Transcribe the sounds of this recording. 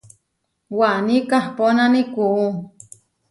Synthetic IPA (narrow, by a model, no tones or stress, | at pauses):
wanikahponanikuu